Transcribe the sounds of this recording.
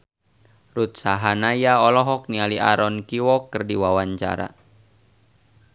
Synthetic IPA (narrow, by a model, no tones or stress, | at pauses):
rut̪̚saɦanajaɔlɔɦɔk̚nialiʔaɾɔnkiwɔkːərdiwawaɲt͡ʃa̰ɾa̰